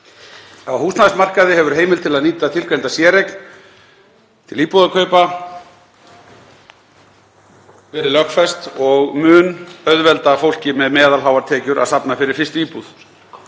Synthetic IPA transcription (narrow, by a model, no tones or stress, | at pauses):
awhuːsnaðsmar̥kaðɪhɛvʏɾ̥ɦeːjmɪlt̪ʰɪlaðniːt̪at̪ʰɪlkɛjnt̪asjɛːɾekn | t̪ʰɪliːpuðakʰœɥpa | vɛːɾɪlœxkfɛst̪ɔɣmʏːnœðvɛlt̪afowl̥cɪmɛðmɛːðalɦawvaɾt̪ʰɛːcʏɾʔa̰ðsapnafɪɾɪɾ̥fɪr̥st̪iːpuð